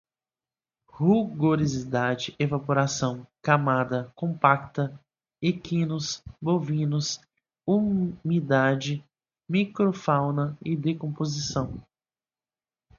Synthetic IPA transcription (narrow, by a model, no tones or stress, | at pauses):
huɡoɾizid̪ad͡ʒɪʔevapoɾasɐ̃w̃kamad̪ɐkõpakt̪ɐ | ekĩnʊsbovĩnʊs | umid̪ad͡ʒɪ | mikɾofawnɐɪd̪ekõpozisɐ̃w̃